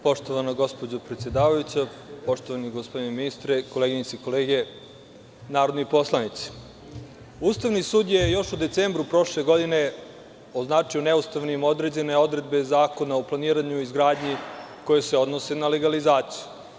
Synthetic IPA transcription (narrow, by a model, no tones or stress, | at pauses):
po̞ʃt̪o̞ʋanaɡo̞spod͡ʑopɾet̪sjed̪aːʋajut͡ɕa | po̞ʃt̪oʋaniɡospo̞d̪ineminist̪ɾeko̞leɡiɲit̪iko̞leːɡe̞ | naːɾod̪nipo̞slˠanit̪si̥ | uːst̪aʋnisuːd̪je̞jo̞ʃud̪e̞t̪seːmbɾupɾo̞ʃle̞ɡo̞d̪ine̞ | o̞znaːt͡ʂioneust̪aʋnimo̞d̪ɾed͡ʑe̞ne̞o̞d̪ɾe̞d̪̚be̞zaːko̞naoplˠaniːɾaɲuizɡɾaːd̪ɲi | ko̞jese̞o̞d̪nose̞nale̞ɡalizaːt̪siju̥